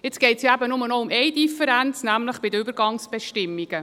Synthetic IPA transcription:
jɪt͡sɡ̥ɛɪtsjɑæbənʊmənɔʊmɛjdifəɾænt͡snæmləχb̥ɪdəybəɾɡɑŋsb̥ɛʃtɪmːiɡ̥ə

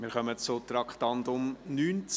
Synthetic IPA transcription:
mɪɾχœmət͡sot̪ɾɑkχtɑntʊmnyːnt͡s

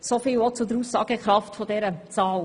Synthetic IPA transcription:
sofɪːlot͡sʊd̪əɾuːssɑːɡəkɾɑftfɔd̪ɛɾət͡sɑːl

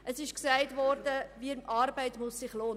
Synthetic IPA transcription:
ʔəsɪʃksæɪtvɔɾdəviɑːɾbæɪtmʊsːɪχloːn

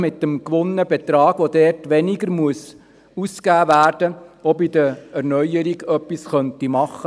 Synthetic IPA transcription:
mɪtːəmkʋʊnːəbɛt̪ɾɑːɡʋodɛɾtʋɛniɡəɾmuəs | uskæːvæːɾd̥əɔbidəɾɛɾnœʏəɾiɡœpːisχœntimɑχə

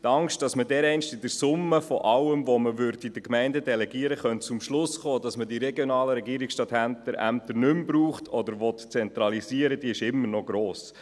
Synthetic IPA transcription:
t̪ɑŋʃt̚d̥ɑsmədɛɾɛɪnʃtɪdəɾsʊmːəfɔʔɑwəmvɔməʋʏɾdid̥əkmɛɪndədɛlɛɡiəɾəχœntt͡sʊmʃlʊsχoːd̥ɑsmədiɾɛɡjɔnɑːləɾɛɡiəɾiksʃtɑthæntəɾæ̰mt̪əɾnʏmbɾuːχtʰɔdəɾʋɔtt͡sɛnt̪ɾɑliziəɾəd̥iɪʃɪmːəɾnɔɡɾoːs

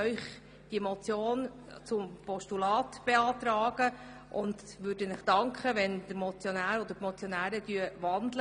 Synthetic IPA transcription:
œʏχ | d̥imɔt͡sjoːn | t͡sʊmpɔʃtulɑːtb̥eɑːt̪ɾɑːɡə | ʔʊnd | ʋʉːɾdənɪχd̥ɑŋkχəʋɛnd̪̥əɾmɔt͡sjɔnæːɾɔd̪əɾtmɔt͡sjɔnæːɾədyəʋɑnd̪lə

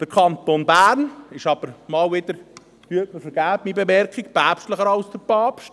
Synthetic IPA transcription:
d̥əɾkʰɑnt̪onbæːɾnɪʃɑb̥əɾmɑːlʋɪd̪əɾ | hyəməfəɾɡæːpmibemɛɾkikpæːpʃtləχəɾɑwsd̥əɾpɑːpʃt

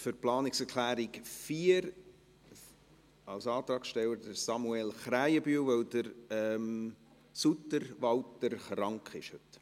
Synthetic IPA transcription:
føɾplɑːnɪksɛɾkʰlæːɾikfiːɾ | ɑlsɑːt̪ɾɑːksʃtɛwəɾdəɾsɑmuelχɾæɪəbyːwʋəwdəɾɛm | sut̪əɾʋɑwt̪əɾχrɑŋkχɪ̰ʃhɵt

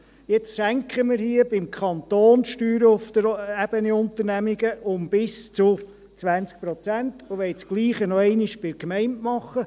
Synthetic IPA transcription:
jɛt͡ssæŋkχəmɪɾhiəbɪmkʰχɑnt̪oːnʃtyːɾəʊfd̪̥əɾæb̥əniʊnt̪əɾnæmiɡəʔʊmb̥ɪst͡sʊ | t͡sʋænt͡sk̚pɾɔt͡sænt̪ʊʋɛɪt͡sɡ̥liːχənɔɛɪnɪʃb̥ɪkmɛɪntmɑχːə

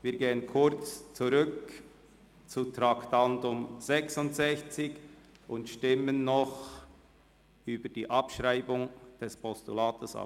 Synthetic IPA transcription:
viːɐɡeːənkʰʊɾt͡st͡suɾʏk | t͡sutɾaktandʊmz̥ɛksʊntz̥ɛçt͡sɪç | ʔʊntʃtɪmənːɔχ | yːbəd̥iːʔɑpʃʁaɪbʊŋd̥ɛspʰɔstulaːtəsɑ̰

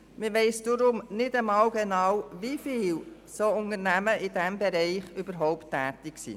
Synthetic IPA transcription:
mɪʋɛɪsd̥ʊɾʊmnɪdəmɑwɡ̥enɑwʋifiːl | soːʊnəɾnæməʔɪd̥ɛmbɛɾɛɪχyb̥əɾɦɔʊptːɛːt̪ɪksḭː

